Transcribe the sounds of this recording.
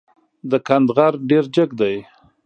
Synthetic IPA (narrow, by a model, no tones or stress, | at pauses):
d̪əkand̪ɣaɾɖeɾd͡ʒəɡd̪aj